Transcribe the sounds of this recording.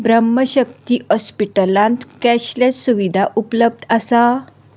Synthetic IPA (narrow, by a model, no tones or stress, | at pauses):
bɾəmːəɕək̚t̪iːhɔspiʈəlãnt̪kɛɕljat͡ssuʋid̪ʱaʔupləb̚d̪ʱəsa